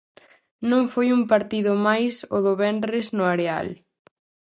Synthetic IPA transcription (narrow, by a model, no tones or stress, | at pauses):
nõŋfojumpaɾt̪iðʊmajsʊðʊβɛnrɪznʊaɾea̰l